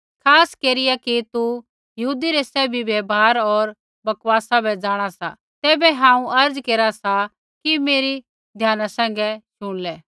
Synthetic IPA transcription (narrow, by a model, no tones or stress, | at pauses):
kʰaːskeːɾɪjakit̪u | jɐɦuːd̪iɾɛsɛːbʱibeːbɦaːɾɔːɾ | bɐkwaːsabɛd͡ʒaːɽ̃asa̰ | t̪ɛːbɛɦãːũʔɐɾd͡zkeːɾasa | kimeːɾi | d̪ʱjaːnasɛ̃ːŋ̆ɡɛʃʊɽ̃lɛː